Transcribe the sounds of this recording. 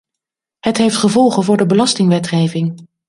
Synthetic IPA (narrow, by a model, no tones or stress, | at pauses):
ɦətɦejftχəvɔlˠχənvʊːɹdəbəlɑstɪŋʋɛtχejvɪŋ